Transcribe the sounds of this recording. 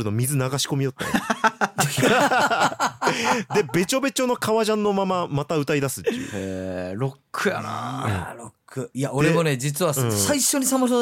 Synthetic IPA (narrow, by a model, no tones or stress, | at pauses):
ɾɯno̞mʲizɨnaɡaɕi̥ko̞mʲijo̞t̪ːe | d̪e̞be̞t͡ɕo̞be̞t͡ɕo̞no̞kʰaβaʑãnːo̞mamamat̪aɯ̟t̪aid̪asɨ̥t̪ːḛeɾo̞kʰːɯ̟ja̰na̰ɯ̃ɾokːɯijaʔo̞dɾeemo̞ne̞d͡ʑit͡sɨβassaiɕo̞ɲ̟isamɯs̬o